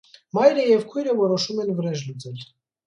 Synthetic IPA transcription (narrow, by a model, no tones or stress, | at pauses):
mɑjɾəjɛvkʰujɾəvɔɾɔʃumɛnvəɾɛʃlut͡sʰɛl